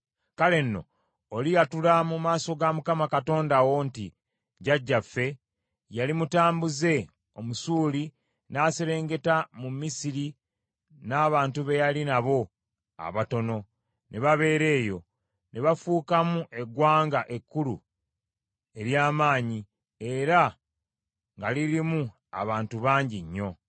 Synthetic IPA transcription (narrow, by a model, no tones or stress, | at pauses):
kale̞nːo̞̰ː | lijatulamumaːso̞ɡamukamakato̞ːndawo̞nti | ɟaɟːafːe̞ | jalimutaːmbuze̞ | o̞musuːli | naːseɾe̞ːŋɡe̞tamumisiɾi | naːβaːntuβe̞jalinaβo̞ | a̰βato̞no̞ | nʔeβaβe̞ːɾe̞ːjo̞ | nʔeβafuːkamuʔe̞ɡwaːŋɡaʔe̞kːulṵ | e̞ɾjaːmaːɲi | e̞ɾa | ŋɡaliɾimu | a̰βaːntuβaːɲɟiɲːo̞